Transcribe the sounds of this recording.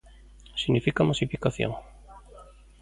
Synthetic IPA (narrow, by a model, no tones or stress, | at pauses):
siɣnifikamasifikaθjo̰ŋ